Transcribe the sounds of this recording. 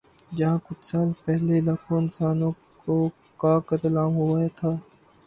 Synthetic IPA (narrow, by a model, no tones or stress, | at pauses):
d͡ʒɐɦãːkʊt͡ʃʰsaːlpɛɦlelaːkʰoɪnsaːnõ | ko | kaːkət̪laːmɦuaet̪ʰaː